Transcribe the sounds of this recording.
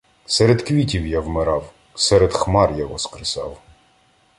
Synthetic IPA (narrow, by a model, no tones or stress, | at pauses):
sɛɾed̪kʋʲitʲiwjawmɪɾɑw | sɛɾed̪xmɑrjaɦɔskɾɪsɑ̰w